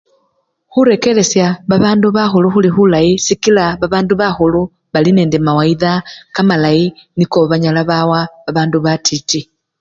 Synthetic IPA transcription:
xuɾe̞ke̞le̞sjaβaβaːnduβaxuluxulixulaisikilaβaβaːnduβaxulu | βaline̞ːndemawaiðakamalainikoβaɲalaβawaβaβaːnduβatʰiti

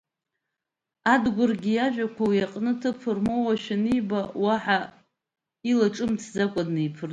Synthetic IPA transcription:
adɡʷʊrɡʲijaʒᶣʷakʷʰawiaqʼnɨtʰɨpʰɨrmowaʃᶣanijbawaħa | ilaʈ͡ʂʼɨmtʰd͡zakʷʼadnɨipʰɨr

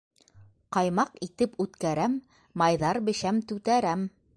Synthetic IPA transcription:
qɑjmɑqit̪ɘpʉt̪kæɾæmː | ɑjðɑɾbɘ̆ʃæmt̪ʉt̪æɾæm

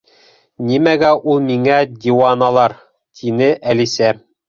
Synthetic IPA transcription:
nimæɡæʔulˠmiŋæd̪ʲiwɑnɑlˠɑɾ | t̪ʰinɘʔælisæ

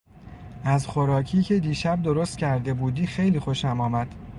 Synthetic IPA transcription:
æzxoɾɒːcʰiːcʰe̞d̪iːʃæb̚d̪o̞ɾost̪cʰæɾd̪e̞buːd̪iːxe̞jliːxoʃæmɒːmæd̪̥

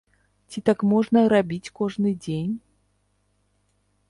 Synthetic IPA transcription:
t͡sʲit̪akmɔʐnɐɾabʲit͡sʲkɔʐnɨd͡zʲenʲ

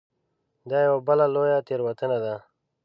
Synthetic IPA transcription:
d̪aːjawabəlaloːjat̪eɾwat̪ənad̪a

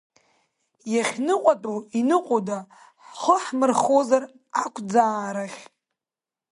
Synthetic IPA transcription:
jaχʲnɨqʷʼatʼuinɨqʼoda | ħχəħmɨrχozar | akʷʰd͡zaːɾaχʲ

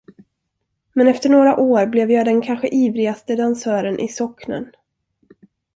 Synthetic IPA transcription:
mɛnɛft̪əɳoːɾaʔoːɾblɛvjɑːd̪ɛnkʰanɧəʔiːvɾɪɡast̪əd̪ansœːɾənʔɪ̰sɔknə̰n

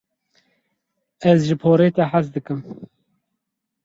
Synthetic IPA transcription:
ɛzʒɨpʰoːɾeːt̪ɛħasd̪ɨkɨm

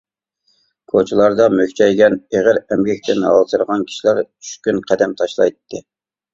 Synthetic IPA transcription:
kʰot͡ʃʰulˠɑɾd̪ɑmøkʲt͡ʃʰɛjɡʲɛneʁəɾɛmɡʲɛk̚ʲt̪ʰɪnɑ̰lˠt̪ʰɨɾʁɑnkʲʰi̥ʃilæɾt͡ʃʰy̥ʃkʲynqʰɛd̪ɛmt̪ʰɑʃlˠɑ̰jt̪ʰːɨ

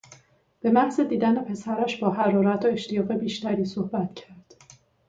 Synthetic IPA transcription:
b̥e̞mæhze̞d̪iːd̪æne̞pʰe̞sæɾæʃbɒːɦæɾɒːɾæt̪ʰoe̞ʃt̪ʰijɒːɣe̞biːʃt̪æɾiːsohbæt̪cʰæɾd̪̥

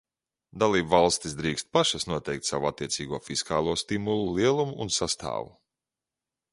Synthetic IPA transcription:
d̪alˠiːbvalˠst̪isd̪ɾiːkst̪̚paʃasnuɔt̪ɛjk̚t̪savuat̪ːiɛt̪siːɡuɔfiskaːlˠuɔst̪imulˠulˠiɛlˠumuːnsast̪ʰa̰ːvu

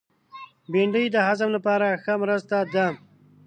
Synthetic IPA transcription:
beɳɖəjd̪əhazamlapɑɾaxəmɾəst̪ad̪a

